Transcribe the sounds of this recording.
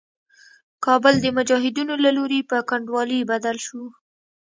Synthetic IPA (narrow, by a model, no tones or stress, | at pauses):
kɑbəld̪əmʊd͡ʒɑɦɪd̪unolaloɾepəkaɳɖwɑlibad̪alʃu